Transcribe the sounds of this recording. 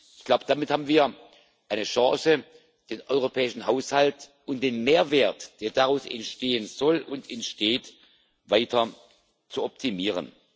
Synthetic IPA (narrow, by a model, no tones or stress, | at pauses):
ʔɪçɡ̥laʊbəd̥amɪthaːbm̩nviːɐ | ʔaɪnəʃãːsə | d̥eːnʔɔʏʁopʰɛːɪʃn̩ɦaʊshaltʔʊntd̥eːnmeːɐveːɐtd̥eːɐdaʁaʊsɛ̰ntʃteːənz̥ɔlʊ̰ntɛntʃteːt | vaɪtʰɐ | t͡suɔp̚tʰimiːʁə̰n